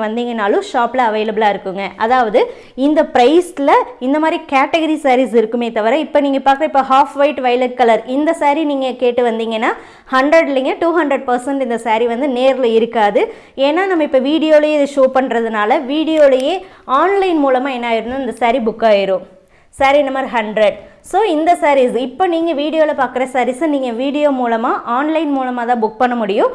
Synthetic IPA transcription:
ʋɐnd̪iːŋɡɐnaːlʊ̃ʂaːplɐɐʋɐɪlɐbɯlaːɪɾɯkːɯŋɡɐʔɐðaːʋɐðɯ | ɪnd̪ɐpɪɾɐɪslɐɪnd̪ɐmaːd̪ɾikaːʈɐɣɐɾisaːɾisɪɾɯkːɯmeːt̪ɐʋɐɾɐ̃ɪpːoniːŋɡɐpaːɾkɯɾɐɪpːoɦaːfʋɐɪʈʋɐɪlɐɾkːɐlɐɾɪnd̪ɐsaːɾiniːŋɡɐkeːʈːɯʋɐnd̪iːŋɡɐnːaː | hɐɳɖɾɐɽliŋɡɐʈuːɦɐɳɖɾɛɖ̚pɐɾsɐɳʈɪnd̪ɐsaːɾiʋɐnd̪ɯneːɾɪlɐɪɾɯkːaːðɯ | eːnːaːnɐmːɐɪpːɐʋiːɽɪjoːlɐjeːɪðɯʂoːpɐɳːɾɐðɯnaːlɐʋiːɽɪjoːlɐjeː | aːnlɐɪnmuːlɐmaːɛnːaːɪɾɯnd̪ɯɪnd̪ɐsaːɾibʊkːaːjɪɾõ | saːɾinɐmːɐɾɦɐɳɖɾɐɖ | soːɪnd̪ɐsaːɾisɪpːoːniːŋɡɐʋiːɽɪjoːlɐpaːɾkɪɾɐsɐɾisɯniːŋɡɐʋiːɽɪjoːmuːlɐmaːʔaːnlɐɪnmuːlɐmaːt̪ãːbʊk̚pɐɳːɐmʊɽɪjʊ̃

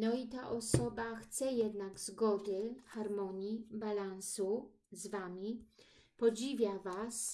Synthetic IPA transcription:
nɔit̪aʔɔsɔbaxt̪sɛjɛd̪naɡzɡɔd̪ɘxaɾmɔɲibalansu | zvamʲipɔd͡ʑivʲjavas

